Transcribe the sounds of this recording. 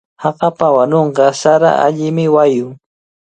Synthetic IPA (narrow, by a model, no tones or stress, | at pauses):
hɑqɑpawanoɴqɑsaɾa̰ʔa̰ʎɪmɪwajʊ